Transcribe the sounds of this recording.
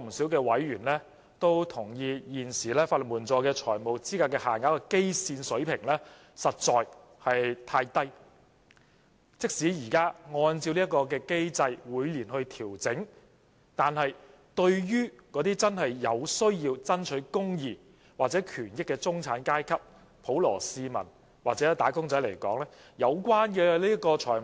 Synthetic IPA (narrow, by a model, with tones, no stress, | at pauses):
m̩˨˩siː˨˥wkɛː˧wɐ˨˥jɥyː˨˩nlɛː˥ | t̪o˥wt̪ʰʊ˨˩ŋjiː˧jiː˨˩nsiː˨˩lɛː˥faː˧li˨˩muː˨˩nt͡sɔː˧kɛː˧t͡ʃʰɔː˨˩jmo˨˩wt͡siː˥kaː˧kɛː˧haː˨˩ŋaː˨˥kɔː˧ke˥jsiː˧nsɵ˨˥ɥpʰɪ˨˩ŋlɛː˥ | sɐ˨t̚t͡sɔː˧j | hɐ˨jt̪ʰaː˧jt̪ɐ˥j | t͡sɪ˥k̚siː˨˥jiː˨˩kaː˥ŋɔː˧nt͡si˧wli˥ɐ˥kɔː˧k̬ɛː˧ke˥jt͡sɐ˧jwuː˨˧˥jliː˨˩nhɵ˧ɥt̪ʰiː˨˩wt͡sɪ˨˥ŋ | t̪aː˨nhɐ˨j | t̪ɵ˧ɥjyː˥kɔː˨˧˥t̪iː˥t͡sɐ˥nhɐ˨jːɐ˨˧wsɵ˥ɥjiː˧wt͡sɐ˥nt͡ʃʰɵ˨˥ɥkʊ˥ŋjiː˨˩ | waː˨˩t͡sɛː˨˥kʰyː˨˩njɪ˥kːɛː˧t͡sʊ˥ŋt͡sʰaː˨˥nkaː˥jkʰɐ˥p̚ | pʰo˨˥wlɔ̰ː˨˩siː˧mɐ̰˨˩n | waː˨t͡sɛ˨˦˥t̪aː˨˥kʊ˥ŋt͡sɐ˨˥jlɐ˨˩jkɔː˨˥ŋlɛː˥ | jɐ˨˧wkʷwaː˥nkɛː˧liː˥jɐ˥kɔː˧t͡ʃʰɔː˨˩